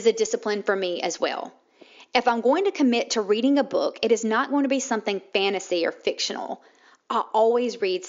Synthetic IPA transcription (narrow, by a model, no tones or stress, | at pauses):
zɨdɪsɨpʰlɨ̃nfə˞miɨ̰zwɛ̰lˠ | ɨfãɪ̃mɡoʊɪ̃ŋtʰɨkʰɨmɪtʰəɹiɾɪ̃ŋəbʊ̰kɨɾɨznət̚ɡ̥oʊɪ̃ŋtɨbisʌ̃mθɪ̃ŋfæ̃ɾ̃ɨsiə̰˞fɪkʃɨ̰̃nl̩ˠ | ʔaɪʔɔlˠwizɹid̥